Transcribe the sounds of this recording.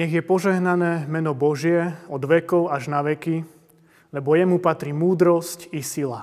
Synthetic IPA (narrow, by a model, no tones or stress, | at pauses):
ɲɛɣjɛpɔʒɛɦnanɛːmɛnɔbɔʒɪɛɔd̪ʋɛkɔʊaʒnaʋɛki | lɛbɔjɛmupat̪ɾimuːd̪ɾɔscisila